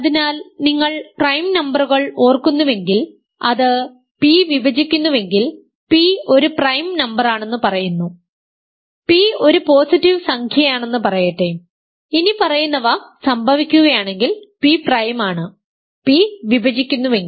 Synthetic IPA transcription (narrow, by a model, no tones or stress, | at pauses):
ɐðinaːlniŋːɐɭprɐjmnɐmbɐruɣɐɭo̞ːrkunːuʋe̞ŋɡil | ɐðɨ | piʋibɐd͡ʑikʲːunːuʋe̞ŋɡil | pio̞ɾuprɐjmnɐmbɐraːɳe̞nːɨpɐrɐjunːu | pio̞ɾupo̞ːsitːiʋsɐŋkʰjɐjaːɳe̞nːɨpɐrɐjɐʈːe | inipɐrɐjunːɐʋɐsɐmbʱɐʋikʲːuɣɐjaːɳe̞ŋɡilpiprɐjmaːɳɨ | piʋibɐd͡ʑikʲːunːuʋe̞ŋɡi